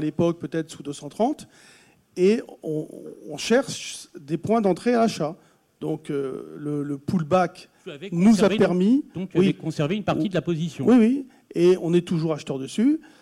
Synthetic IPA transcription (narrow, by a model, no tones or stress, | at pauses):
alepɔk̚pøt̪ɛt̪χsud̪øsɑ̃t̪χɑ̃t̪ | eɔ̰̃ːʃɛʁʃd̪epwɛ̃d̪ɑ̃t̪χealaʃa | d̪̥ɔ̃kølələpulbak | nuzapɛʁmĩwiɛkɔ̃sɛʁvenpaʁid̪əlapozisjɔ̃wiwi | eɔ̃nɛt̪uʒuʁaʃt̪ɛʁd̪əsy